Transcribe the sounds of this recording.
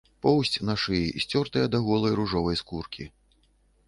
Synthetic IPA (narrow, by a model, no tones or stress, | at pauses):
pɔwsʲt͡sʲnaʂɨjiʔisʲt͡sʲɔrt̪ɐjɐd̪ɐɣɔlˠɐjɾuʐɔvɐjskurkʲʰi